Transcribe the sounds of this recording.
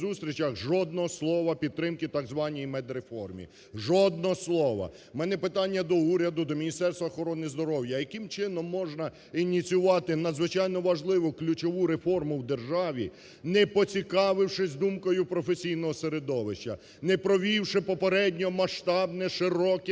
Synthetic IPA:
zust̪ɾʲit͡ʃɐxʒɔd̪̚nɔɦɔslˠɔʋɐpʲid̪̚t̪ɾɪmkɪt̪ɑɡzʋɑnʲijimɛd̪ɾefɔrmʲḭ | ʒɔd̪̚nɔɔslˠɔʋɐ̰ | mɛnɛpɪt̪ɑnʲːɐd̪ɔuɾʲɐd̪ʊd̪ɔmʲinʲist̪ɛrst̪ʋɐɔxɔɾɔnɪzd̪ɔɾɔwjɐjɐkɪmt͡ʃɪnɔmːɔʒnɐ | inʲit͡sʲjʊʋɑt̪ɪnɐd̪zʋɪt͡ʃɑjnɔʋɐʒlˠɪʋʊklʲʊt͡ʃɔʋuɾefɔrmʊwd̪erʒɑʋʲi | nɛpɔt͡sʲikɑʋɪwʂɪzʲd̪umkɔjʊpɾɔfesʲijnɔɦɔseɾed̪ɔʋɪʃt͡ʃɐ | nɛpɾɔʋʲiwʃɪpɔpeɾɛdʲnʲɔɔmɐʃt̪ɑbnɛʃɪɾɔkɛ

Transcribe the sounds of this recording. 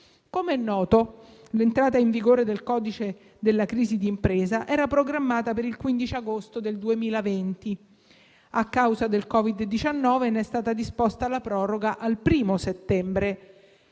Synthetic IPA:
komeɛnːɔːt̪olent̪ɾaːt̪aiɱviɡoːɾed̪elkɔːd̪it͡ʃe | d̪elːakɾiːzid̪iːmpɾeːzaʔɛːɾapɾoɡɾamːaːt̪apeɾilkwind̪it͡ʃiaɡost̪od̪eld̪uemiːlavent̪i | akːawzad̪elkɔːvid̪d̪ːit͡ʃanːɔːvenɛst̪aːt̪ad̪ispost̪aːlːapɾɔːɾoɡaʔalpɾiːmoset̪ːɛmbɾe

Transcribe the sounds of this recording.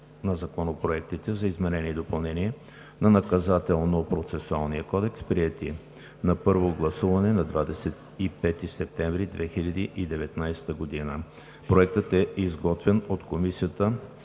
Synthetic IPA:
nɐzɐkonopɾoɛk̚t̪it̪ɛzɐizmɛnɛniːd̪opɐlˠnɛniɛ | nɐnɐkɐzat̪ɛlˠnopɾot̪sɛsualˠniəkɔd̪ɛkspɾiɛt̪i | nɐpɤɾvoɡlˠɐsuvɐnɛnɐd̪vad̪ɛsɛt̪ipɛt̪isɛp̚t̪ɛɱvɾid̪vɛxiʎʲɐd̪iʔid̪ɛvɛt̪najst̪əɡod̪inə | pɾoɛk̚t̪ət̪ɛizɡɔt̪vɛnot̪komisijət̪ə

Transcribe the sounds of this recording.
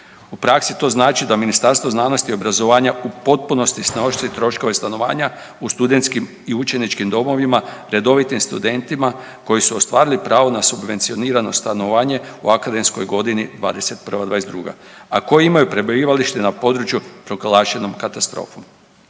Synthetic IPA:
upɾaksit̪o̞ːznaːt͡ʃid̪aminist̪aɾst̪ʋo̞znaːnost̪io̞bɾazoʋaːɲaupo̞t̪̚puno̞st̪isnoʃt̪it̪ɾo̞ʃko̞ʋe̞st̪ano̞ʋa̰ːɲa | ust̪ud̪ent̪skim | iut͡ʃe̞nit͡ʃkimd̪o̞mo̞ʋimaɾe̞d̪o̞ʋit̪imst̪ṵd̪e̞nt̪ima | ko̞jisuost̪ʋaːɾilipɾʔaːʋo̞nasubʋe̞nt̪sio̞niːɾano̞st̪anoʋaːɲe̞uakad̪e̞msko̞jɡo̞d̪inid̪ʋa̰ːd̪e̞se̞t̪̚pər̩ʋad̪ʋaːed̪ɾṵɡa̰ako̞jiimajupɾebojiːʋaliʃt̪enapo̞d̪ɾut͡ʃjupɾo̞ɡlˠaːʃe̞no̞mkat̪ast̪ɾo̰ːfom

